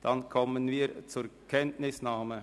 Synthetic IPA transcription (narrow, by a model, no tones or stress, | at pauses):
d̥ɑnkʰɔmənviːɾt͡suːɾkʰɛntnɪsnaːmə